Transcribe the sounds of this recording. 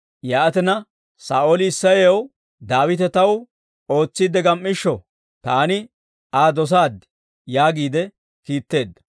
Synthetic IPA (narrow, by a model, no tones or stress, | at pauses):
jaːʔɐt̪ɛnɐ | saːʔolɪːsːɐjew | d̪aːwɪt̪ɛt̪ɐw | o̞ːt͡sːid̪ɛɡɐmːɪʃːɔ | t̪aːnɪ | aːd̪ɔs̬aːd̪ | jaːɡiːd̪ɛ | kiːt̪ːe̞ːd̪ːɐ̥